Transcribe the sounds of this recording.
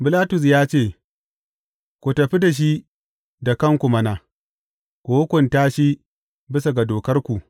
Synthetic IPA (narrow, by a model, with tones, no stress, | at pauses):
bɪ˨laː˦tʊ˨s̬jaː˦t͡ʃeː˦˨ | kʷu˨tɐ˨ɸi˦da˨ʃ̬i˦ | da˨kɐ˦˨ŋkʷu˨mɐ˦na˨ | kʷoː˦kʷʊ˨nta˦ʃi˦ | bɪ˦sa˨ɡa˨doː˨kɐ˦rkʷu˨ʔ